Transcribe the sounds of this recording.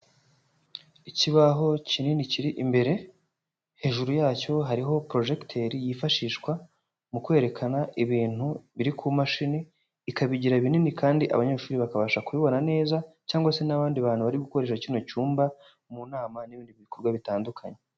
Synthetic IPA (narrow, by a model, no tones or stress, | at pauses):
iciβaɦo̞cininiciɾiʔimbe̞ɾe̞ | he̞ʒuɾujaːco̞ɦaɾiɦo̞pɾo̞ʒe̞ktʰeɾijifaʃiːʃkwa | mukwe̞ːɾekʰanaʔiβiːn̥huβiɾikʰumaʃiniː | kaβiɟiɾaiβininikaːndiʔa̰βaɲe̞ːʃuːɾiβakaβaːʃakuβiβo̞nane̞ːzacaːŋɡwase̞naβaːndiβaːn̥huβaɾiɡuko̞ɾe̞ːʃacinocuːmba | munaːmaniβiːndiβiβiko̞ɾɡwaβitaːndukʰa̰ɲe